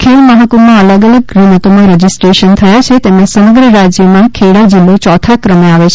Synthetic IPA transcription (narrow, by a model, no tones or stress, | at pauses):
kʰelməɦəkomãələɡələɡ̚ɡɾimət̪omãɾəd͡ʒisʈɾeʃənt̪ʰəjat͡ʃʰet̪emẽsəməɡɾəɾad͡ʒjəmãkʰeɽad͡ʒilːot͡ʃɔt̪ʰakɾəmeaʋet͡ʃʰ